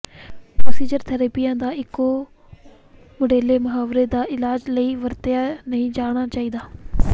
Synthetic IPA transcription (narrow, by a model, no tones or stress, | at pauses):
pɾoːsiːd͡ʒəɾt̪ʰəɾəːpɪjãːd̪aːɪkːo | moɖeːleːmʊɦaːʋɾed̪aːɪlaːd͡ʒləiːʋəɾt̪ɪjaːnəĩd͡ʒaːɽ̃aːt͡ʃaːiːd̪aː